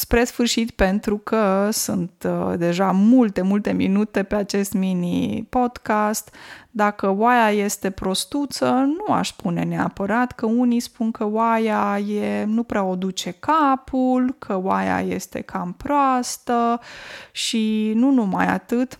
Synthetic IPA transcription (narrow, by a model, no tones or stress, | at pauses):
spɾe̞sfɨrʃit̪pe̞nt̪ɾukʰəsunt̪d̪e̞ʒamult̪e̞mult̪e̞mḭnut̪e̞pe̞at͡ʃe̞st̪minipo̞d̪̥kast̪d̪akəwajaje̞st̪e̞pɾo̞st̪ut̪sənua̰ʃspune̞nea̰pəɾat̪kəunispunkəwajajenupɾeao̞d̪ut͡ʃe̞kapʰulkʰəwaja̰je̞̰st̪e̞̰kʰampɾoast̪ə | ʃinunuma̰ja̰t̪ɨt̪